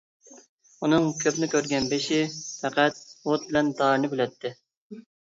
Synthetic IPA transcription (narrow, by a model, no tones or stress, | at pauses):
unɨŋkʲʰøpnɪkʲøɾɡʲɛnbeʃɪfɛqɛt̪̚wot̪̚bɪlɛnd̪ɑːɾnɨkʲylɛt̪ʰːɪ